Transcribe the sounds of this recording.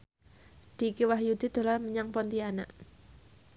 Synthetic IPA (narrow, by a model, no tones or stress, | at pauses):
d̪̥ikiwaɦjud̪̥i̤d̪̥o̤larməɲaŋpɔnt̪iana̰ʔ